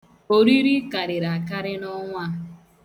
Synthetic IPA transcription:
o˨ɾi˦ɾi˦ka˨ɾɪ˨ɾa˨ka˦ɾɪ˦nɔ˦ŋʷa˦

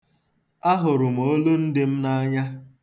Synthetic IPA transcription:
a˦ɦʊ˨ɾʊ˨m̩˨o˦lu˦n̩˦dɪ˦m̩˦na˦ɲa˦

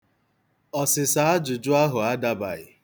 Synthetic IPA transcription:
ɔ˨sɪ˨sa˦a˦d͡ʒʊ˨d͡ʒʊ˦a˦ɦʊ˨a˦da˦ba̰˨ɣɪ̰˨

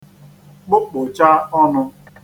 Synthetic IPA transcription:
k͡pʊ˦k͡pʊ˨t͡ʃa˦ɔ˦nʊ˧

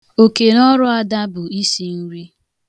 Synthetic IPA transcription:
o˨ke˨nɔ˦ɾʊ˦a˦da˦bʊ˨i˦si˨n̩˦ɾi˦

